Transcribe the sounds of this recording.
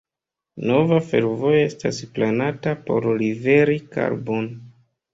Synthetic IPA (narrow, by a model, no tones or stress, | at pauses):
no̞vafe̞̰ɾvo̞joe̞stasplanatapo̞̰ɾlive̞ɾika̰ɾbo̞n